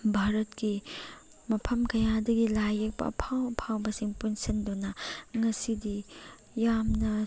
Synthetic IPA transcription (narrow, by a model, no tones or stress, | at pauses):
bʱaɾɐtki | mɐpʰɐmkɐjadɐɡilajɐk̚pɐ̰pʰawpʰawbɐsiŋpunsindunɐŋɐsidi | jamnɐ